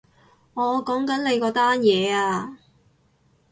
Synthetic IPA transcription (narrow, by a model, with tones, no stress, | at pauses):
ŋɔː˨˧kɔː˨˥ŋkɐ˨˥nle˨˧jkɔː˧t̪aː˥njɛː˨˧aː˧